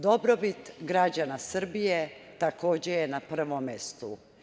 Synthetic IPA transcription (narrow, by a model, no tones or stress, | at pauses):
d̪o̞bɾobit̪ɡɾad͡ʑanasr̩bijet̪ako̞ːd͡ʑejenapr̩ʋomjest̪u